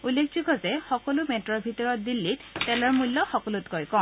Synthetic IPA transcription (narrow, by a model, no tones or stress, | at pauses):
ulːekʰziɡʰʱɔzɛxɔkɔlumetɹɔɹbʱitɔɹɔt̚dilːitːɛlaɹmulːɔxɔkɔlutkɔɹkɔ̃